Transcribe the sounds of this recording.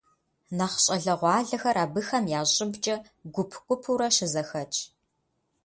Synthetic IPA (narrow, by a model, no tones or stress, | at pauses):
nɐχɕʼɐɮɐʁʷɑːɮɐxɐɾaːbɨxɐmjaːɕʼɪbt͡ʃʼɐ | ɡʷʊpʰkʷʼʊpʰuɾɐʃɪzɐxɐt͡ʃʼ